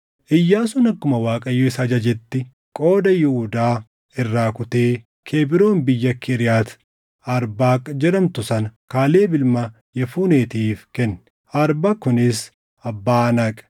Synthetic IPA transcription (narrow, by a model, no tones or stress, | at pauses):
ʔɪjːaːsʊnɐkːʊmɐwaːkʼɐjːoɪsɐd͡ʒɐd͡ʒɛt̪ːɪ | kʼo̞ːd̪ɐjʊhʊd̪aː | ɪrːaːkʊt̪e̞ː | kʰeːbɪɾo̞ːnbɪjːɐkːɪɾɪjaːt̪ | ɐɾbaːkʼːɐd͡ʒɛɾɐmt̪ʊsɐnkaːle̞ːbɪlmɐ | jɛfuːne̞ːt̪iːfkɛnːɪ̥ | ɐɾbakʊnɪs | ɐbːaːnɐkʼ